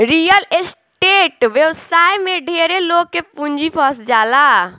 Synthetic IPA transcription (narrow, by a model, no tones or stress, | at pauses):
ɾijəles | ʈeːʈʋjewsaːjmẽɖʱeːɾeloːɡ̚kepũɲd͡ʒipʰɔːsd͡ʒaːla